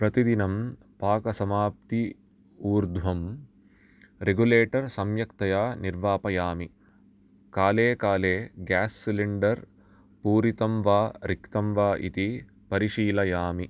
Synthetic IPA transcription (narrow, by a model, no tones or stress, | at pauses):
pɾɐt̪id̪inɐm | paːkɐsɐmaːp̚t̪i | uːɾd̪ʱʋɐm | ɾeɡuleːʈɐɾsɐmjɐkt̪ɐjaːniɾʋaːpɐjaːmi | kaːleːkaːleːɡaːsːiliɳɖɐɾ | puːɾit̪ɐmʋaːɾikt̪ɐmʋaːʔḭt̪i | pɐɾiʂiːlɐjaːmi